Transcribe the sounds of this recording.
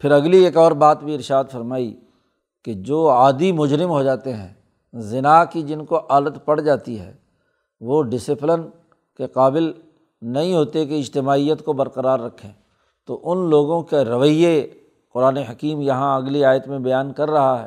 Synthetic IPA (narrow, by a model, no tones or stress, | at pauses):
pʰɪɾɐɡlieːkɔːɾbaːt̪bʱiɪɾʃaːd̪fɐɾmaːi | ked͡ʒoːaːd̪imʊd͡ʒɾɪmɦod͡ʒaːt̪eɦɛ̃ː | zɪnakid͡ʒɪnkoʔaːlət̪pɐɽ̤d͡ʒaːt̪iɦɛ̰ː | ʋoɖɪsɪplən | keqaːbɪl | nɐɦĩɦoːt̪ek̬eɪd͡ʒt̪ɪmaːijət̪kobɐɾqəɾaːɾːɐkʰːẽː | t̪oʔʊnloːɡõkeɾɐʋəje | qʊɾaːneɦɐkiːmjɐɦãɐɡliaːjət̪mẽbɐjaːnkɐɾːɐɦaɦɛ̰ː